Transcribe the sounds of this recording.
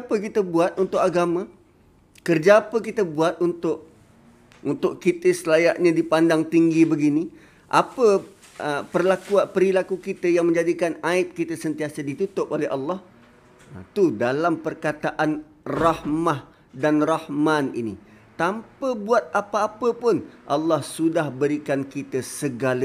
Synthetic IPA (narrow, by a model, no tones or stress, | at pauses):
pəkit̪əbuat̪̚unt̪ʊʔaɡamã | kərd͡ʒaapəkit̪əbuat̪̚unt̪ʊʔ | unt̪ʊʔkit̪əsəlajaʔɲãdipandaŋt̪iŋɡibəɡini | ʔa̰pə | əpərlakuapəɾilakukit̪əjaŋmə̃ɲd͡ʒadikanaɪp̚kit̪əsənt̪iasadit̪ut̪ʊp̚oleɑlːɑh | ət̪udalampərkat̪aʔan | rɑhmah | danrɑhmãnḭnḭ | t̪ampəbuat̪̚apaapəpʊnʔɑlːɑhsudahbəɾikankit̪əsəɡalə